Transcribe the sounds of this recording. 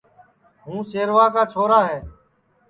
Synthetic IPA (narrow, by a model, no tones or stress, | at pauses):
ɦũːseːɾʋaːkaːt͡ʃʰoːɾaːɦeː